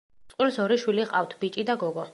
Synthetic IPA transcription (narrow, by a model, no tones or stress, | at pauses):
sʼqʼwilsɔɾiʃwiliʁʼa̰ft̪ʰbit͡ʃʼid̪aɡɔɡɔ